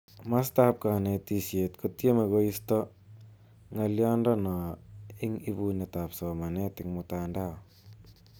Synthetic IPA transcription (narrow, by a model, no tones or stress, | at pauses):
mastap̚kanetisjetkotjemeɣoistɔ | ŋɐljɔndɔnɔɪŋibunetapsɔmanetɪŋmʊtandao